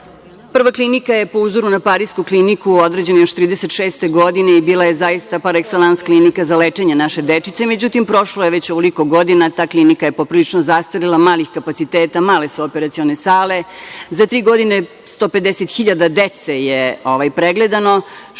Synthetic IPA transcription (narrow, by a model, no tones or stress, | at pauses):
pr̩ʋaklinikaje̞po̞uzoɾunapaɾiskuklinikuo̞d̪ɾe̞d͡ʑe̞njoʃt̪ɾiːd̪eset̪ʃeːst̪e̞ɡo̞d̪ineibiːlajezajist̪apaɾekselˠansklinikazalet͡ʂeɲenaʃe̞d̪et͡ʂit̪seme̞d͡ʑut̪impɾo̞ʃlojeʋet͡ɕoʋoliko̞ɡo̞d̪inat̪aːklinikaje̞popɾilit͡ʂnozast̪alilˠamaːlixkapat̪sit̪eːt̪amaːle̞suopeɾat̪sione̞saːle̞zat̪ɾiːɡo̞d̪ine | st̪o̞ːped̪eset̪xiʎad̪ad̪et̪sejeo̞ʋajpɾeɡled̪ano̞